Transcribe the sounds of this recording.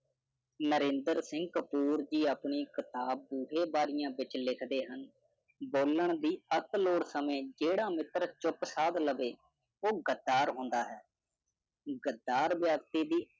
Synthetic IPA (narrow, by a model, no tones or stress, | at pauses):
nəɾẽːnd̪əɾsɪ̃ŋɡkəpuːɾd͡ʒiːaːpɳiːkɪt̪aːb̚ːuːɦeːbaːɾɪjãːʋɪt͡ʃlɪkʰd̪eːɦən | boːləɳd̪iːət̪loːɽsəmẽːd͡ʒeːɽãːmɪt̪ɾt͡ʃʊpsaːd̪ləʋeː | oːɡəd̪ːaːɾɦõːnd̪aːɦɛː | ɡəd̪ːaːɾʋjaːɡt̪iːd̪iː